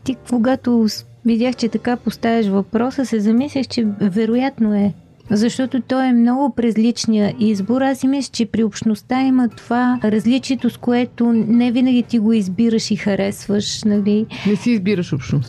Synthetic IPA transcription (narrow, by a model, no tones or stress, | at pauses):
t̪ikoɡat̪o | vid̪ʲjaxt͡ʃɛt̪ɐkapost̪avʲɛʃvɐpɾɔsəsɛzɐmislʲixt͡ʃɛvɛɾojat̪noɛ | zɐʃt̪ɔt̪ot̪ɔɛmnɔɡʊpɾɛzlit͡ʃniəʔizboɾasimiʃt͡ʃɛpɾiopʃnost̪aimət̪ovaɾɐzlit͡ʃiɛt̪oskoɛt̪onɛvinəɡʲit̪iɡoizbiɾəʃixɐɾɛsvəʃnɐlinɛsiːzbiɾəʃopʃnos